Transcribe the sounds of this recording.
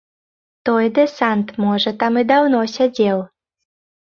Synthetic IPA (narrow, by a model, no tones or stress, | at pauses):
t̪ɔjd̪ɨsant̪mɔʐət̪amɨd̪awnɔsʲad͡zʲew